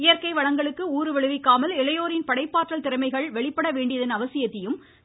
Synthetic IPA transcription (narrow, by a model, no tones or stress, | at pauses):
ɪjɐɾkɐɪʋɐɻɐŋɡɐɭɯkːɯuːɾɯʋɛɭɯʋɪkːaːmɐlɪlɐjoːɾɪnpɐɽɐɪpːaːʈrɐlt̪ɪɾɐmɐɪɣɐɭʋɛɭɪpːɐɽɐʋeːɳɖɪjɐðɐnɐʋɐsɪjɐt̪ːɪjɯm